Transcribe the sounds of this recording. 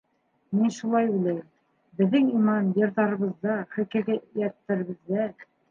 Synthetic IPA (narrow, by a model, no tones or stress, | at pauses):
minʃulˠɑjujlæjɘm | bɘ̆ðːɘŋimɑnjɤ̆ɾðɑɾɤ̆βɤ̆zðːɑχɘ̆kæ̆ɡæjæt̪ːæɾɘ̆βɘ̆ðːæ